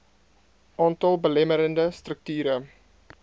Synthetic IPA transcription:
ʔɑːntɑlˠbəlɛməɾəndəstrək̚tyːɾə

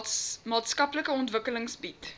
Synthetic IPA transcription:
mɑːtskɐpləkəɔntvəkələŋsbit

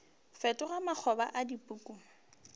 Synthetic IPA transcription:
fɛtʼʊɣamak͡xʰɔba̰ʔadipʼuːkʼu

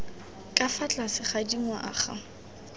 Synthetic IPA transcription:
kʼafat͡ɬʼasɪχadiŋwaʔa̰χa̰

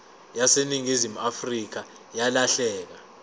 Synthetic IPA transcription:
jaseniŋizimuafrik̬a | jalaɬɛːk̬a

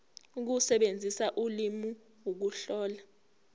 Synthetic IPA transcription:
uk̬usɛɓend͡zʱisaʔulimi | wok̬uɬɔːla

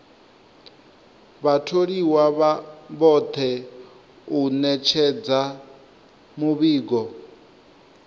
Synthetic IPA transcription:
βatʰoɺiwaβaβɔt̪ʰɛ | unɛt͡ʃʰɛd͡za | muβiːɡɔ

